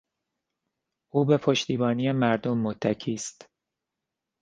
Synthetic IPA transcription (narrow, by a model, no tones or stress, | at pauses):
ʔuːbe̞pʰo̞ʃt̪iːbɒːniːjemæɾd̪omːot̪ʰːæcʰiːst̪